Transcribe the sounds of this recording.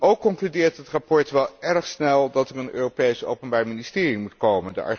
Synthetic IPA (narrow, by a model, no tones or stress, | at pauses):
ʔowkːɔŋklydɪːɹtətrɑpɔɹtʋɛlˠɛɹχsnɛlˠdɑtəɹənø̰ːropejso̰wpənbaːɹminɪstɪːrimutkowməndə̰ʔɑ̰